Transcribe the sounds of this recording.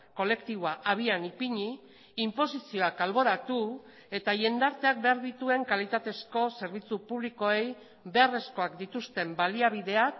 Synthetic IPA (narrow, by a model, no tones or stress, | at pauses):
ko̞le̞kt̪iβoaʔaβ̞ianipiɲiː | mpo̞sisio̞akalβo̞ɾat̪u | e̞t̪aje̞nd̪aɾt̪e̞ak̚be̞aɾðit̪ue̞ŋkalit̪at̪e̞sko̞se̞ɾβ̞it͡supuβ̞liko̞e̞j | be̞are̞sko̞akd̪it̪ust̪e̞mbaliaβ̞iðe̞a